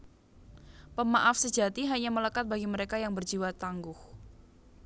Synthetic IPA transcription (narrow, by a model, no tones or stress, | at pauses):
pəmaʔafsə̥d͡ʒa̤t̪iɦaɲamələkat̪̚baɡiməɾekajaŋbərd͡ʒiwat̪aŋɡʊh